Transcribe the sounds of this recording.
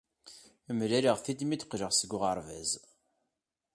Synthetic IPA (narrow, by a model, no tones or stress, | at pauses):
əmlæɾiʁθid̪mid̪qʒəʁsəɡʷʊʁaɾˤvæz